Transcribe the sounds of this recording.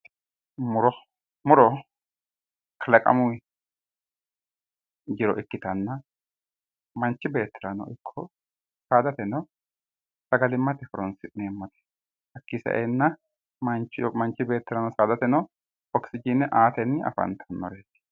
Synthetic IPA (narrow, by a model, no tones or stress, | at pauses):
mʊɾɔ | mʊɾɔ | kʰɐlɐkʼɐ̰mʊ | d͡ʒɪɾɔʔɪkːɪt̪ɐnːɐ | mɐnt͡ʃːɪbe̞ːt̪ːɪɾɐnɔ̰ʔɪkʰːɔ | saːd̪ɐt̪ɛnɔ | sɐɡɐlɪmːɐt̪ɛfɔɾɔnsɪnemːɐt̪ɛ̥ | hɐkːɪsɐ̰ʔenːɐ | mɐnt͡ʃːmɐnt͡ʃːɪbe̞ːt̪ːɪɾɐnɔsaːd̪ɐt̪ɛnɔ | ɔksɪd͡ʒinːɛʔaːt̪ɛnːɪɐ̰fɐ̰nt̪ʰɐnːɔ̰ɾeːt̪ɪ̥